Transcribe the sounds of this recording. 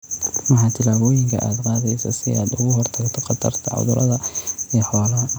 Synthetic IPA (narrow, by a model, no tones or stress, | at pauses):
mɑħɑːt̪ʰɪlaːβɔːjɪŋkʰɐ̰ʔaːd̪qɑːðɛjsɐsɪaːd̪ʊɣʊɦɔrt̪ʰɐɡt̪ʰɔqɑt̪ʰɐ̰rt̪ʰɐ̰ʕʊ̰ðʊɾɐðɐɛːħɔːlɐɐ